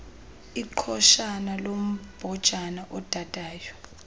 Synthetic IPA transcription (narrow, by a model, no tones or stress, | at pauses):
iǃʰɔʃanalom̩b̥ʱɔd̥ʒ̥ʱanaʔɔd̥ʱad̥ʱʼaːjɔ